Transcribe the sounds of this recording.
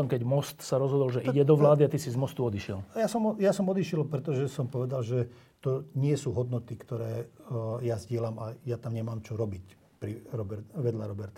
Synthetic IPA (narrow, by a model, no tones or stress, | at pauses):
ɔmkɛɟmɔst̪saɾɔzɦɔd̪ɔlʒɛʔiɟɛd̪ɔʋlaːd̪iat̪isizmɔst̪uɔd̪iʃɪɛ̰ljasɔmɔjasɔmɔd̪iʃjɛlpɾɛt̪ɔʒɛsɔmpɔʋɛd̪alʒɛ | t̪ɔɲɪɛsuːɦɔd̪nɔt̪ikt̪ɔɾɛːjazɟɪɛlamajat̪amɲɛmaːmt͡ʃɔɾɔbic | pɾiɾɔbɛɾʋɛd̪ʎaɾɔbɛɾt̪a